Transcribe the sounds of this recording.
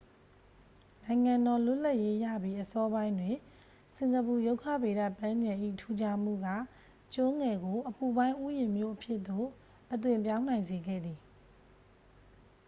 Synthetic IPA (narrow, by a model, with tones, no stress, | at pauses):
nã˨ɪ̃ŋã˨ndɔ˨lʊ˦˨la˦ʔje˦jä̰˦˨bji˦ʔəsɔ˦bã˦ɪ̃ndwɪ̃˨ | sɪ̃˨ŋɡəpu˨jo˦ʊkʰä̰˦˨be˨ɾa̰˦˨pã˦ɲd͡ʑã˨ʔḭ˦˨tʰu˦d͡ʑa˦˨m̥ṵ˦˨ɡa̰˦˨ | t͡ɕʊ̃˦ŋɛ˨ɡo˨ʔəpu˨bã˦ɪ̃ʔu˦jɪ̃˨mjo̰˦˨ʔəpʰjɪ˦ʔt̪o̰˦˨ | ʔət̪̬wɪ̃˨mpjã˦ʊ̃nã˨ɪ̃nze˨ɡɛ̰˦˨d̪i˨